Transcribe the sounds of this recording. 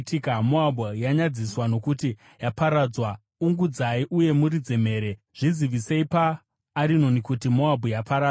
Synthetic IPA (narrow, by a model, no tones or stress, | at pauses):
tikamoabʱojaɲad͡ziswano̞kuti | japaɾaːd͡zwa | uŋɡud͡zaiʔuje̞muɾid͡ze̞me̞ːɾe̞ | ʐ̥iziʋise̞ipaː | ɾino̞nikutimoabʱojapaɾa